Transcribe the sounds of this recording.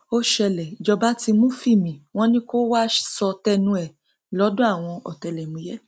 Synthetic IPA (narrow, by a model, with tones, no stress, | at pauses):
o˦ʃɛ˧lɛ˨i˨d͡ʒɔ˧ba˨˦ti˧mũ˦fi˦˨mĩ˨w̃ɔ̃˦nĩ˦ko˦wa˦sɔ˧tɛ˧nũ˧˦ɛ˨ | lɔ˨˦dõ˦a˦˨w̃ɔ̃˧ɔ̰˨tɛ˧lɛ˨mũ˨˧˦jɛ˦